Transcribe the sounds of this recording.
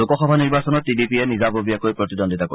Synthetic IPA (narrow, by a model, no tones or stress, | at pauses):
okɔxɔbʱaniɹbasɔnɔt̚ːidipiɛnizabobiakojpɹot̪idondʱitako̰